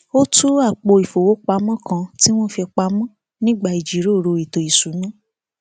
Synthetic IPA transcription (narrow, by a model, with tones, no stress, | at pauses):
o˦tu˦a˦˨k͡po˧i˨fo˨wo˨˦k͡pa˧˦mɔ̃˦kã˧ti˦w̃ɔ̃˦˨fi˧k͡pa˧mɔ̃˦ | nĩ˦ɡ͡ba˦˨i˨d͡ʒi˨˦ɾo˦˨ɾo˧i˨to˨i˨su˨˦nũ˦